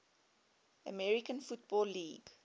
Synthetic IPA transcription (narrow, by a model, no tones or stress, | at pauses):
əmɛɹikə̃nfut̚bɔlːiːɡ̥